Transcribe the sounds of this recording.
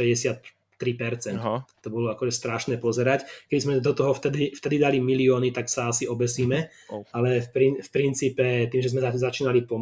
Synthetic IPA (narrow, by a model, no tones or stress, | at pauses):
ɛɟɛsɪat̪ː | ɾipɛɾt͡sɛnt̪ɔbɔlɔakɔʒɛst̪ɾaʃnɛːpɔzɛɾackɛbizmɛd̪ɔt̪ɔɦɔft̪ɛd̪ift̪ɛd̪id̪alimiliɔːnit̪aksaasiɔbɛsiːmɛ | alɛfpɾinfpɾint͡siːpɛt̪iːmʒɛzmɛazat͡ʃiːnalipɔm